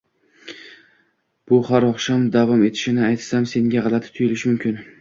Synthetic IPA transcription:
b̥ʊhaɾɒχʃamd̪avɒme̞t̪ʰɪ̥ʃɪnɪajt̪samse̞ŋɡʲaʁɑlˠat̪ɪ̥t̪ʰʊjɪlɪʃmʊmkʲɪn

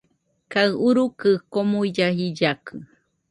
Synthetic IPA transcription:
kaɨuɾukɨkomuid͡ʒaɦid͡ʒakʰɨ

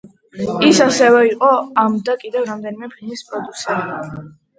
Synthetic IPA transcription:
isasɛvɛiqʼɔamd̪akʼid̪ɛvɾamd̪ɛnimɛpʰilˠnispʼɾɔd̪usia

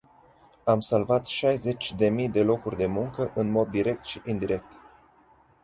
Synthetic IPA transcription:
amsalvat̪ʃajze̞t͡ʃʲd̪e̞mijd̪e̞lo̞kurʲd̪e̞muŋkəʔɨnmo̞d̪ːiɾe̞k̚t̪ʃiʔind̪iɾe̞kt̪

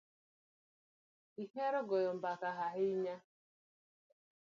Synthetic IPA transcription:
iheɾɔɡɔjɔm̩bakaɦaɦɪɲa

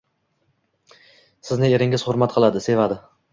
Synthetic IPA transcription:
sɪznɪe̞ɾɪŋɪz̥hʊɾmat̪̚qʰɨlˠad̪ɪse̞vad̪ɪ

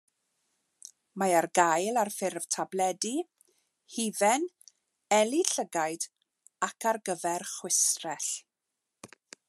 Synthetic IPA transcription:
majarɡajlˠarfɪrv̥tʰablɛdi | hivɛn | ɛlˠiɬəɡajd | akʰarɡəvɛrχwɪsrɛɬ

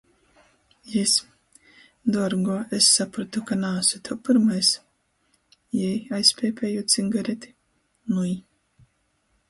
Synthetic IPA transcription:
jɛs | d̪ɔɾɡɔesːapɾɔt̪ukanaːsɨt̪ʰɔpɨɾmajs | jɛjajspʲɛːpʰʲɛjut̪siŋɡaɾet̪ʲi̥ | nuj

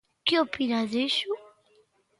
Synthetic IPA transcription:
kɪopinaðeʃʊ

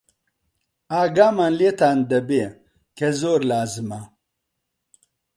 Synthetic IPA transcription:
aːɡaːmanlet̪and̪ɐbe | kezoːɾlaːzma

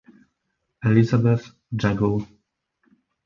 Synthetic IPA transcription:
ɛlizabɛθ | d͡ʒaɡɔw

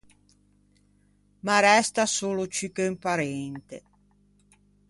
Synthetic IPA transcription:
maɾɛst̪asoːlot͡ʃikempaɾɛnt̪ḛ

